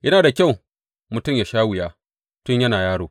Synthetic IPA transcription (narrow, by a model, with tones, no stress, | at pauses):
jʔɐ˦naː˨da˨kʲa˦˨w | mʊ˨tʊ˦˨mjaː˨ʃaː˦wʊ˨jaː˦ | tʊ˦ɲjɐ˦naː˨jaː˦ɽoː˨